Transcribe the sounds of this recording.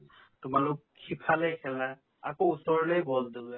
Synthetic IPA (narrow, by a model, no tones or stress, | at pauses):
tʊmalʊkʰːipʰalɛkʰɛla | a̰kousɔɹlejbɔldu